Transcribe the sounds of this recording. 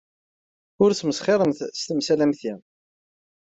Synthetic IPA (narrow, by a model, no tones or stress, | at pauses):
ʊɾt͡sməsχeðˤəmθst̪əmsælæmθi